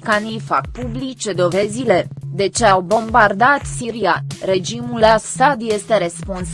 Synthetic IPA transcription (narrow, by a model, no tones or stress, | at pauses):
kanijfa̰k̚publit͡ʃe̞d̪o̞ve̞zile̞d̪e̞t͡ʃe̞awbo̞mbard̪at̪siɾianre̞d͡ʒimulasad̪je̞st̪e̞ɾe̞spons